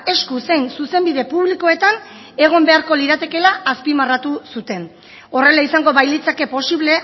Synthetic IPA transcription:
e̞skuse̞jnsuse̞mbiðe̞puβliko̞e̞t̪an | e̞ɣ̞o̞mbe̞aɾko̞liɾat̪e̞ke̞laʔːspimarat̪usut̪e̞n | o̞re̞laisaŋɡo̞βajlit͡sake̞po̞siβle̞

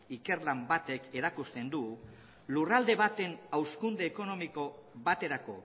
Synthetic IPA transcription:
ike̞ɾlambat̪e̞ke̞ɾakust̪e̞nd̪uɣ | lurald̪e̞βat̪e̞nawskund̪e̞ːko̞no̞miko̞βat̪e̞ɾako̞̰

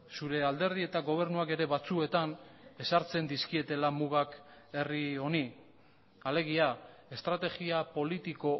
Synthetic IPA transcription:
suɾe̞ald̪e̞ɾð̞ie̞t̪aɣo̞β̞e̞ɾnuake̞ɾe̞βat͡sue̞t̪ane̞saɾt͡se̞nd̪iskie̞t̪e̞lamuɣake̞rio̞ni | ale̞ɣ̞iae̞st̪ɾat̪e̞ɣiapo̞lit̪iko̞

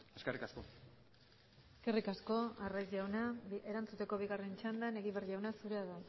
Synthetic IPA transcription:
eskerikasko̞ | eske̞rikasko̞arajzʝawnaeɾant͡sut̪e̞ko̞β̞iɣare̞nt͡ʃand̪ane̞ɣiβerʝawnasuɾeaða

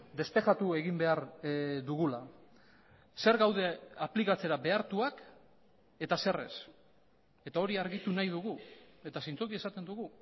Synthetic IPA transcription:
d̪e̞spe̞ʝat̪ue̞ɣimbe̞aɾd̪uɣ̞ula | se̞ɾɣawð̞e̞aplikat͡se̞ɾabe̞aɾt̪uak | e̞t̪asere̞̰s | e̞t̪ao̞ɾiaɾɣit̪unajð̞uɣue̞t̪asejnt͡sokie̞sat̪e̞nd̪uɣu

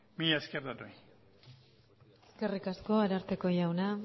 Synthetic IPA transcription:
miaskerd̪anoj | e̥ske̞rikasko̞aɾaɾt̪e̞ko̞ʝawna

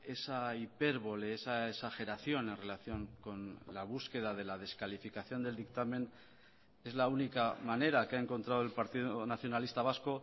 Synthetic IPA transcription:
e̞saipe̞ɾβo̞le̞esaesaxe̞ɾaθjo̞ne̞nrelaθjo̞ŋko̞nlaβ̞uske̞ð̞að̞e̞lað̞e̞skalifikaθjo̞nd̪e̞ld̪ikt̪ame̞n | e̞zlaunikamaneɾakeaeŋko̞nt̪ɾaðe̞lpaɾt̪iðonaθjo̞nalist̪aβ̞asko̞

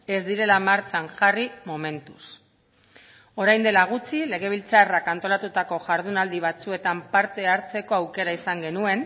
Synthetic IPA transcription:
e̞zd̪iɾe̞lamaɾt͡ʃaŋʝarimo̞me̞nt̪us | o̞ɾajnd̪e̞laɣ̞ut͡sile̞ɣ̞e̞β̞ilt͡sarakant̪o̞lat̪ut̪ako̞ʝaɾðunald̪iβ̞at͡sue̞t̪ampaɾt̪e̞aɾt͡se̞ko̞awke̞ɾaisaŋɡe̞nue̞n

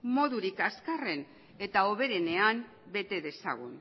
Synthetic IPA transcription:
mo̞ðuɾikaskare̞n | e̞t̪ao̞βe̞ɾe̞ne̞am | be̞t̪e̞ðe̞sa̰ɣ̞un

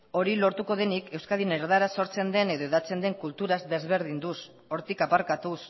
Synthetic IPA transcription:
o̞ɾilo̞ɾt̪uko̞ð̞e̞nike̞wskaðineɾðaɾaso̞ɾt͡se̞nd̪e̞ne̞ðo̞eðat͡se̞nd̪e̞ŋkult̪uɾazd̪e̞zβe̞ɾð̞ind̪us | o̞ɾt̪ikapaɾkat̪us

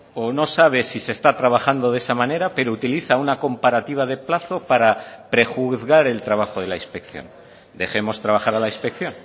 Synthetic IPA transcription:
ono̞saβ̞e̞sise̞st̪at̪ɾaβ̞axand̪o̞ðe̞samãne̞ɾape̞ɾout̪iliθaunako̞mpaɾat̪iβ̞að̞e̞plaθo̞paɾapɾe̞xuθɣaɾe̞lt̪ɾaβ̞axo̞ð̞e̞laispe̞kθjo̞̰n | d̪e̞̰xe̞mo̞st̪ɾaβaxaɾalaispe̞kθjo̞n

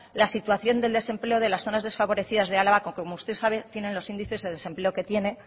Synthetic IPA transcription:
lasit̪uaθjo̞nd̪e̞ld̪e̞se̞mple̞oð̞e̞lasθo̞nazðe̞sfaβo̞ɾe̞θiðazðealaβakoŋkekomoust̪e̞saβe̞t̪je̞ne̞nlo̞sind̪iθe̞zðe̞ðe̞se̞mpleo̞ke̞t̪je̞ne̞

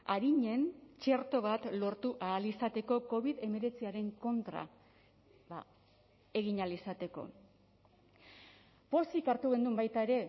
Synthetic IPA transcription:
aɾiɲe̞nt͡ʃe̞ɾt̪o̞βat̪lo̞ɾt̪uʔaːlisat̪e̞ko̞ko̞βiðe̞me̞ɾe̞t͡siaɾe̞ŋko̞nt̪ɾa̰ | βa̰ | e̞ɣiɲalisat̪e̞ko̞̰ | po̞sikaɾt̪uɣe̞nd̪umbajt̪ae̞ɾe̞

